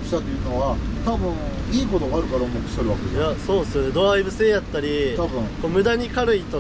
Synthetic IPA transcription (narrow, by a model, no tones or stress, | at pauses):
ɕi̥t̪at̪ːeiɯ̟no̞βat̪abɯ̟̃ɴ | iːko̞t̪oɡaɾɯ̟kaɾaomokɯ̥soɾɯ̟βaked̪essjaso̞ːd̪esɨjo̞ne̞d̪oaibɯ̟se̞ːjat̪ːaɾʲit̪abɯ̟̃ɴko̞ːmɯ̟d̪aɲ̟ikaɾɯ̟it̪o